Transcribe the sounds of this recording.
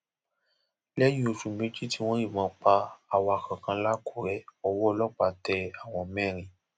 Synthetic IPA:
lɛ˦jĩ˦o˧ʃũ˨mẽ˦d͡ʒi˦ti˦w̃ɔ̃˦ji˦˨mã˧k͡pa˧a˨wa˨˧˨kã˨kã˧la˦kʰu˨ɾɛ˨˦ɔ˧wɔ˦˧lɔ˦k͡pa˨tɛ˧a˨w̃ɔ̃˧˨mɛ̃˦˨ɾ̃ĩ˨

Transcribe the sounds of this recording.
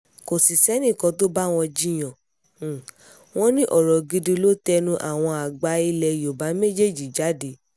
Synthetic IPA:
ko˨si˨sɛ˨˦nĩ˦˨kɔ̃˧˦to˦ba˦w̃ɔ̃˧d͡ʒi˦j̃ɔ̃˨ | w̃ɔ̃˦nĩ˦ʔɔ˨ɾɔ˨ɡi˧dĩ˧lo˦tɛ˧nũ˦ʔa̰˦˨w̃ɔ̃˧a˨ɡ͡ba˧˦i˧lɛ˧jo˨ba˨˦me˦d͡ʒe˦˨d͡ʒi˨d͡ʒa˨˦de˨˦

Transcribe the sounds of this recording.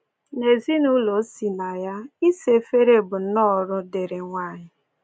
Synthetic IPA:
ne˨zi˦nu˦lo˨˦si˨na˨ja˦i˦se˦fe˦ɾe˦bʊ˨n̩˦nɔ˦ɾʊ˦de˨ɾe˨ŋʷaː˦˨ɲɪ˦

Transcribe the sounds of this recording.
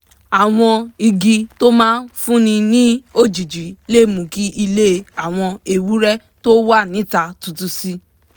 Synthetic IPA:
a˨w̃ɔ̃˧i˧ɡi˧to˦mãː˦nfũ˦nĩ˧nĩ˦o˦d͡ʒi˨d͡ʒi˨˦le˦˨mũ˨ki˦ʔi˧le˦˧a˨w̃ɔ̃˧e˨wu˦ɾɛ˦ | to˦wa˦˨nĩ˨˦ta˧tu˨˧tu˧si˦

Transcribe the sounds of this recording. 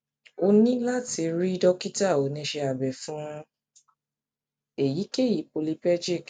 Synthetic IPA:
o˧nĩ˦la˦ti˧ɾi˦dɔ˦ki˦ta˦˨o˨˦nĩ˧ʃe˧a˨bɛ˨fũ˦ | e˨ji˨˦ke˦˨ji˨˦po˧li˧pɛ˦d͡ʒi˦˨k

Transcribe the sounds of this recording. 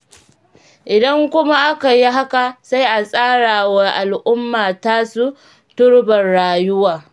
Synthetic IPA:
ʔɪ˨dɐ˦ŋkʷʊ˦ma˦ʔa˦ka˨ji˦ɦa˦ka˨sa˦jʔa˨sʼaː˦ɽaː˨wa˦ʔa˨lʔʊ˦mːaː˨taː˦su˦ | tʊ˦ɽbɐ˨nɽaː˨jʊ˦waː˨

